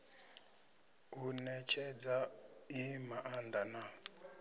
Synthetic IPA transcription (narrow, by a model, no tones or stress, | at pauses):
unɛt͡ʃʰɛd͡zaimaʔand̪ana